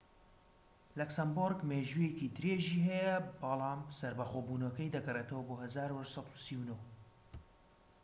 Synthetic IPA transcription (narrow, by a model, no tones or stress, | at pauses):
lɐksɐmboɾɡmeːʒujekit̪ʰɨɾeːʒiɦɛjɐbɑlˠɑːmsɐɾbɐxoːbuːnokɐjd̪ɐɡɐreːt̪ɐwɐboːhɐzaːɾuhɐʃsɑt̪u̥siwnow